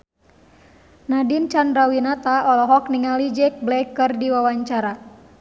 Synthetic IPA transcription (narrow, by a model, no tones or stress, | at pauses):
nadint͡ʃandrawinat̪aʔɔlɔɦɔkniŋalid͡ʒɛk̚blɛkːɨrdiwawaɲt͡ʃaɾa